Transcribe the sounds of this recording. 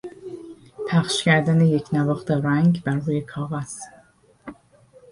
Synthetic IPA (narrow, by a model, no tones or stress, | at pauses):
pʰæχʃcæɾd̪ænejecʰnævɒːχt̪ʰeɾæŋɡbæɾuːjekʰɒːvæs